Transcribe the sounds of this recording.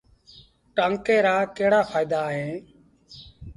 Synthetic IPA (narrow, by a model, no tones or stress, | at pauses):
ʈəŋkeːɾaːkeːɽaːpʰaːɪd̪aːɦẽː